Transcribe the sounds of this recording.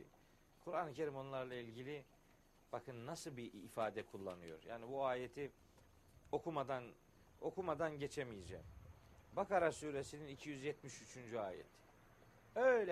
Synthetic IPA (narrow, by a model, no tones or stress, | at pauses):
kʰuɾanɯcʰe̞ɾimo̞nlˠaɾlˠailʲɟilʲi | b̥akʰɯnːasɯlˠbiːfaːd̪ɛkʰulˠːa̰nɯjo̞̰ɾja̰ːnibuaːjet̪ʰi | o̞kʰumad̪an | o̞kumad̪anɟe̞t͡ʃʰemijed͡ʒɛ̰ːm | bakaɾasuːɾe̞sininicʰijyzjɛt̪miʃyt͡ʃʰynd͡ʒyaːjɛ̰t̪ʰ | ølʲɛ